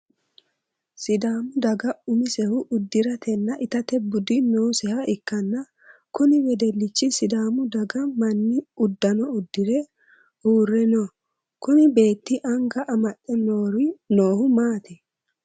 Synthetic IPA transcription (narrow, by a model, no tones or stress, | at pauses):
sɪd̪aːmʊd̪ɐɡɐʊmɪsɛhʊʔʊd̪ːɪɾɐt̪ɛnːɐʔɪt̪ɐt̪ɛbʊd̪ɪnoːsɛhɐɪkːɐnːɐ | kʊnɪwɛd̪ɛlːɪt͡ʃːɪsɪd̪aːmʊd̪ɐɡɐmɐnːɪʊd̪ːɐnɔʊd̪ːɪɾɛ | huːrːɛnɔ | kʊnɪbe̞ːt̪ːɪʔɐŋɡɐʔɐmɐtʼːɛnoːɾɪnoːhʊmaːt̪ɛ